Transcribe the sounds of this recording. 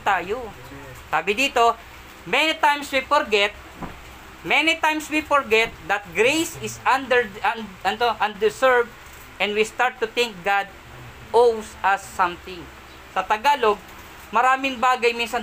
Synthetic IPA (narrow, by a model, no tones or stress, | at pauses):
t̪aːjo | saːbɪd̪iːt̪o̞ | mɛnɪt̪ajmswifɔɹɡɛt̪̚ | mɛnɪt̪ajmswifɔɹɡɛt̪̚d̪ɐt̪̚ɡɾejsɪsand̪ɛɹaɐnt̪oʔɐnd̪ɛsɛɹb̚ | ʔɛ̃nwist̪aɹt̪ːʊt̪ɪ̃ŋk̚ɡad̪̚ | ʔowsʔɐsːɐ̃mt̪ɪ̃ŋ | sɐt̪ɐɡaːloɡ̚ | mɐɾaːmɪŋbaːɡɐjmĩnsɐn